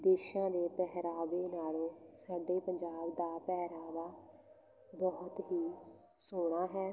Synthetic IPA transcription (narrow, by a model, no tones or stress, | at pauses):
d̪eːʃãːd̪eːpɛɦɾaːʋeːnaːlõːsaːɖeːpəɲd͡ʒaːbd̪aːpɛːɾaːʋaː | bɔːt̪ɦiː | soːɽ̃aːɦɛː